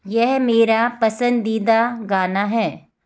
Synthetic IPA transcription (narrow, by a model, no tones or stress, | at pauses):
jɛɦmeːɾapɐsə̃nd̪iːd̪aɡaːnaɦɛː